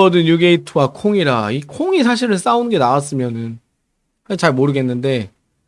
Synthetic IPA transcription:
ʌdɯnjuɡe̞itʰɯwakʰoŋiɾaikʰoŋisʰaɕ̬ʰiɾɯns͈aunɯnɡe̞nawas̬͈ɯmjʌnɯn | haɡet͡ɕaɭmoɾɯɡe̞nːɯnde̞

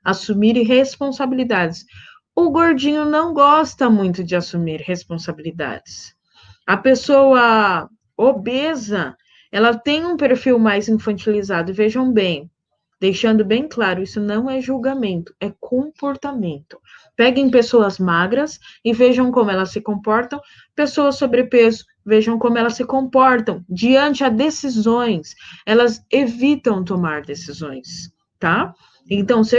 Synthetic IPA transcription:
asumiɾɦespõsabilid̪ad͡ʒɪs | ʊɡoɾd͡ʒĩɲʊnɐ̃w̃ɡɔst̪ɐmũj̃t̪ʊd͡ʒɪasumiɾhespõsabilid̪a̰d͡ʒɪs | ɐpesowɐ | obezɐ | ɛlɐt̪ẽj̃ũpeɾfiwmajzĩfɐ̃nt͡ʃilizad̪ʊɪveʒɐ̃w̃bẽj̃ | d̪̥ejʃɐ̃nd̪ʊbẽj̃klaɾʊisʊnɐ̃w̃ɛʒuwɡamẽnt̪ʊ̥ɛkʰõpoɾt̪amẽnt̪ʊ̥ | pɛɡẽj̃pesowɐzmaɡɾɐsɪveʒɐ̃w̃kõmʊɛlɐsːɪkõpɔɾt̪ɐ̃w̃ | pesowɐsːobɾɪpezʊ | veʒɐ̃w̃kõmʊɛlɐsɪkõpɔɾt̪ɐ̃w̃d͡ʒiɐ̃nt͡ʃɪɐd̪esizõj̃sɛlɐzevit̪ɐ̃w̃t̪̬omaɾd̪esizõ̰j̃s | t̪a | ẽnt̪ɐ̃w̃se

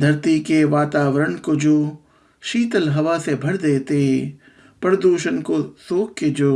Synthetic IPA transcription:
d̪ʱɐɾt̪ikeʋaːt̪aːʋəɾəɳkod͡ʒoː | ʃiːt̪əlɦɐʋasebʱɐɽd̪eːt̪e | pɾəd̪uːʃənkosoːkked͡ʒoː

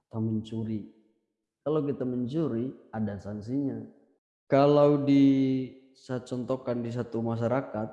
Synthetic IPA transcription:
t̪aməɲt͡ʃuɾi | kalawkit̪aməɲt͡ʃuɾiadasaŋsiɲa | kalawdi | sət͡ʃɔnt̪ɔkandis̬at̪umaʃ̬aɾakat̪̚

